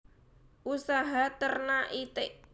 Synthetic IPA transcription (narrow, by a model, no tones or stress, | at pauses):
ʔusaɦat̪ərnaʔit̪eʔ